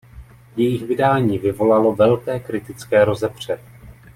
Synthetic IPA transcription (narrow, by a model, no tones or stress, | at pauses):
jɛjɪxvɪdaːɲiːvɪvo̞lalo̞vɛlkɛːkɾɪt̪ɪt͡skɛːɾo̞zɛpr̝̥ɛ